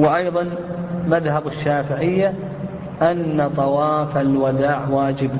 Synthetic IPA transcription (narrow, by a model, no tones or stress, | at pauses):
wɪʔajðˤɑnmaðhabɪʃːaːfɪʕɪjːa | ʔanːat̪ˤɑwɑːfalwad̪aːʕwaːd͡ʒɪb